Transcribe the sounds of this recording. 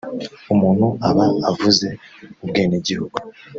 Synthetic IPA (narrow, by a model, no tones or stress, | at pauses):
umuːn̥huʔaβaavuze̞ubɡeːneɟihuɡu